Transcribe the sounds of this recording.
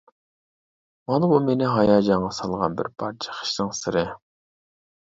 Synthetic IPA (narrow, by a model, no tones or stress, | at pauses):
mɑnbumenɪɦɑjɑːd͡ʒɑɴʁɑsɑlˠʁɑ̰nbɪ̰ɾbʰɑɾt͡ʃʰɛ̥χə̥ʃnɨŋsɨɾɪ